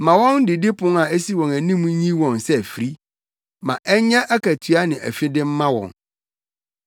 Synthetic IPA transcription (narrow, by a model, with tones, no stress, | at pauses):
mã˨wɔ̃˦n˦dɪ˨dɪ˦pʰʊ̃˦na˨e˦si˦wɔ̃˨næ˨nĩ˦mũ˦ɲĩ˦wɔ̃˨nsɛ˦æ˨fi˨ɾi˦ | mã̰˨ʔɛ˦ɲã˦ʔæ˦kʰæ˨tʰɥa˦nɪ̃˨ʔæ̰˨fɪ˦dɪ˦m̩˦mã˦wɔ̰̃˨n